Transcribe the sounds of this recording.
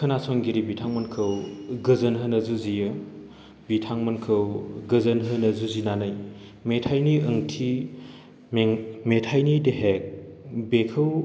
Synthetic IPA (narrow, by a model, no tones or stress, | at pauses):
kʰɯnasɔŋɡiɾibitʰaŋmɐnkʰɯwɡɯzɐnɦɯnɐzuzijɯ | bitʰaŋmɐnkʰɯwɡɯzɐnɦɯnɐzuzinanaj | metʰajniʔɯŋtʰi | mmetʰajnideɦek̚bekʰɯw